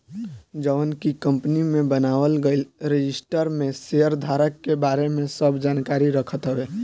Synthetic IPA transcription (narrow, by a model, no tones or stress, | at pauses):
d͡ʒəʋənkikəmpnimẽbənaʋəlɡəɪlɾed͡ʒisʈəɾmeseəɾd̪ʱaɾəkːebaɾemẽsəbd͡ʒankaɾiɾəkʰət̪ɦəbe